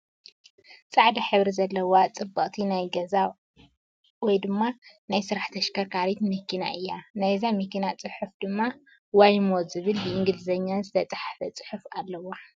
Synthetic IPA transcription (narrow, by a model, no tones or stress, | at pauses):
t͡sʼaʕd̪ɐħɨβɾizɐlːɐwat͡sʼɨbːɐkʼt̪ʰinajɡɐza | wɔjd̪ɨmːa | najsɨɾaħt̪ʰɐʃkʰɐɾkʰaɾit̪mɨkːina̰ʔɨjːanajzamɨkːinat͡sʼɨħufd̪ɨmːa | wajmozɨβɨlbɨʔɪŋɡɨlɨzɐɲːazɨt̪ʰɐt͡sʼaħafɐt͡sʼɨ̥ħufalːɐwa